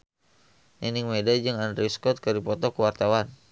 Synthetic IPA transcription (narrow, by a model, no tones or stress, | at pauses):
nɛniŋmedad͡ʒɨŋandɾiskɔt̪̚kəɾipɔt̪ɔkəwart̪awan